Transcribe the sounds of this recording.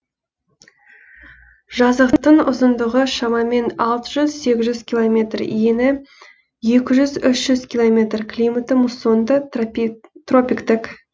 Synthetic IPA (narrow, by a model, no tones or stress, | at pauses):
ʒɑzəqt̪ːəɴʊ̰zənd̪əʁəʃɑmɑme̞nɑlˠt̪əʒʏzse̞ɡʲɪzʒʏz̥kʲʰilˠomʲe̞t̪rḭjenɪ | je̞kʲɪʒʏzʏsʒ̥ʏzkʲilˠo̞mʲe̞t̪rkʰlʲijmət̪əmusond̪ə | t̪ro̞pʲikt̪ɪk